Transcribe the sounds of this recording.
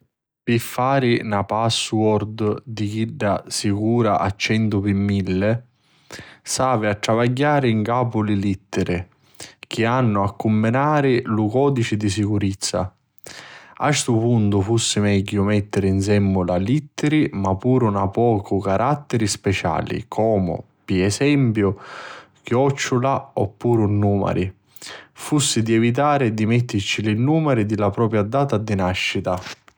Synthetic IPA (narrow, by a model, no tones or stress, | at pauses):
pifːaːɾɪnapaswɔɾd̪d̪ik̟iɖːasikuːɾaʔat͡ʃːɛnt̪ʊpimːilːɪ | saːvɪatːɾavaɟːaːɾɪiŋkaːpʊlɪlit̪ːɪɾʔɪ | k̟ɪanːʊakːumːɪnaːɾɪlukɔːd̪it͡ʃɪd̪is̬ikuɾit̪sːa̰ | ast̪ʊpunt̪ʊfusːɪmɛɟːʊmɛt̪ːɪɾɪins̬ɛmːʊlalit̪ːɪɾimapːuːɾʊnapɔːkʰʊkaɾat̪ːɛɾispɛt͡ʃa̰ːlḭkʰɔːmʊ̰ | piɛsɛmpjʊ | kjɔt͡ʃːʊlaɔpːuːɾunːuːma̰ɾi | fusːid̪iɛvit̪̬aːɾɪd̪imɛt̪ːɪɾt͡ʃilinːuːmɛɾid̪ilapɾɔːpɾjad̪aːt̪ad̪inaʃːit̪a